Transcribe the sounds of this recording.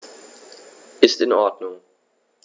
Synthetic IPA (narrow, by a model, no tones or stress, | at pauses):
ʔɪstɪnɔɐdnʊŋ